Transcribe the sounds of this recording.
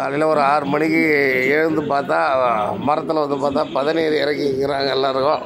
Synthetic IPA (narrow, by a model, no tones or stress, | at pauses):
kaːlɪlɐɔɾɯaːɾɯmɐɳɪkːɯeɻɯnd̪ɯpaːɾt̪ãːmɐɾɐt̪ːɪlɐʋɐnd̪ɯpaːɾt̪ãːpɐðɪneːðɯɪɾɐkːɪŋɡɪɾaːŋɡɐɛlːãːɪɾɯkːõ